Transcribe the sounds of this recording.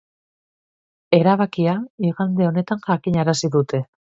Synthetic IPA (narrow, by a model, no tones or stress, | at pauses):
e̞ɾaβakiaiɣand̪e̞o̞ne̞t̪aŋʝakiɲaɾasiðut̪e̞